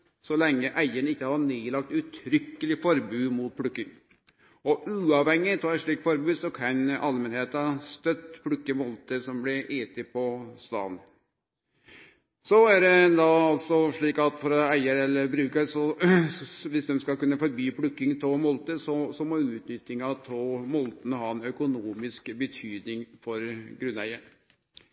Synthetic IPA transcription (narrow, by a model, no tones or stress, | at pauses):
sɔlɛŋːəʔæɪəɳəɪkːəhɑɳeːlɑk̚t̪ʉt̪ʰɾʏkːəlɪfɔɾbʉːmuːt̪̚pʰɽʉkːɪŋ | ɔʔʉːɑʋhɛŋːɪt̪ʰɑːæʂɭiːkfɔɾbʉːd̪sɔkʰɑnʔɑlmɛnheːt̪ɑst̪œt̪ːpʰɽʉkːəmɔlt̪əsɔmblɪʔeːt̪ɪpʰɔst̪ɑ̰ːn | sɔæɖɛd̪ɑɑlt̪sɔʂɭiːkɑt̪fɔɾɔæɪəɾɛlːəɾbɾʉːkəɾsɔ | ʋɪsd̪ɛmskɑkʉnːəfɔɾbyːpʰɽʉkːɪŋt̪ʰoːmɔlt̪əsɔsɔmɔʉːt̪nʏt̪ːɪŋɑt̪ʰoːmɔlt̪ənəɦhɑːɛnœkʊnuːmɪskbət̪ʰyːd̪nɪŋfɔɾɡɾʉnːæ̰ɪən